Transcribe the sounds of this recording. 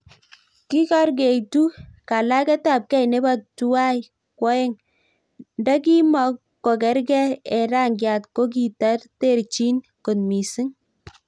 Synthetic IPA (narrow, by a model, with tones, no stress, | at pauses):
ki˦ka˦ɾɡe˨jtu˦ka˨la˦kɛ˦ta˦˨p̚kɛ˦jne˦ba˦tu˦wa˦j | kwɔ˦ɛ˦ŋ | nda˦k̬i˦mɔ˨ | kːɔ˨kɛ˨˦ɾɡɛ˦ɛ˨ɾa˦ŋɡja˨tko˦k̬i˨ta˦rte˦˨ɾt͡ʃi˦n | ko˨nmi˨sɪ˦ŋ